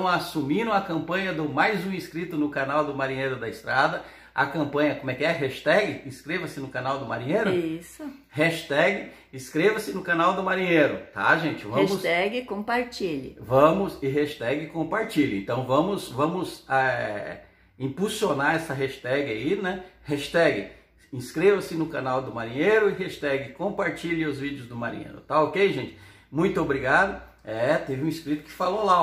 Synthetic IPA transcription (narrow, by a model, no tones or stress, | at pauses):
w̃asumĩɾɐ̃w̃ɐkɐ̃mpɐ̃ɲɐd̪ʊmajzũiskɾit̪ʊnʊkanawd̪ʊmaɾĩɲejɾʊd̪ɐɪst̪ɾad̪ɐ | ɐ̰kɐ̃mpɐ̃ɲɐkõmʊɛkɪɛɦɛʃɪ̥t̪ɛɡɪĩskɾevɐsɪnʊkanawd̪ʊmaɾĩɲejɾʊisʊhɛʃt̪ɛɡɪ | ɪskɾevɐsɪnʊkanawd̪ʊmaɾĩɲejɾʊt̪a̰ʒẽt͡ʃɪvɐ̃mʃʊsɛɡɪkõpaɾt͡ʃiʎɪ̰vɐ̃mʊzɪɦeʃt̪ɛɡɪɪkõpaɾt͡ʃiʎɪẽt̪ɐ̃w̃vɐ̃mʊsvɐ̃mʊzɛ | ĩpusionaɾɛsɐɦeʃt̪ɛɡɪainɛhɛʃt̪ɛɡɪ | ĩskɾevɐsɪnʊkanawd̪ʊmaɾĩɲeɾʊɪɦeʃt̪ɛɡɪkõpaɾt͡ʃiʎɪʊzvid͡ʒɪʊzd̪ʊmaɾḭ̃ɲḛɾʊ̰t̪aokejʒẽt͡ʃɪ̥ | mũj̃t̪ʊobɾiɡad̪ʊ | ɛt̪evɪũiskɾit̪ʊ̥kɪ̥falõla